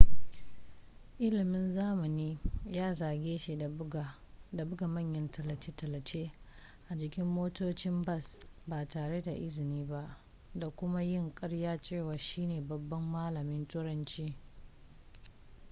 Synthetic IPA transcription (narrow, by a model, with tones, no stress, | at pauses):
ʔɪ˦lɪ˨mɪ˦nzaː˦mɐ˨niː˦jaː˦zaː˨ɡʲeː˦ʃi˨˦˨ | da˨bʊ˦ɡa˨mɐ˦˨ɲjɐ˦ntɐ˨lɐ˨t͡ʃe˦tɐ˨lɐ˨t͡ʃeː˦ | ʔa˨d͡ʒɪ˨kʲɪ˦mːoː˦toː˦t͡ʃɪ˦mbɐ˦˨sbaː˨taː˨ɽe˦da˨ʔɪ˦zɪ˨niː˦ba˦ʔ | da˨kʷʊ˦ma˦jɪ˦ŋkʼɐ˦ɽjaː˦t͡ʃeː˦˨waː˨ʃiː˦neː˨bɐ˨bːɐ˦mːaː˦lɐ˨mɪ˦ntʼʊ˦ɾɐ˦nt͡ʃiː˦